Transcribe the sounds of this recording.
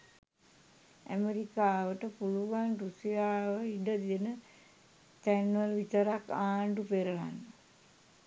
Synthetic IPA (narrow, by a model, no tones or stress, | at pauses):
æ̰meɾikaːʋəʈəpuluʋanrusijaːʋəiɖəd̪ijənə | t̪ænʋəlʋit̪əɾakːaːɳɖupeɾəla̰nːə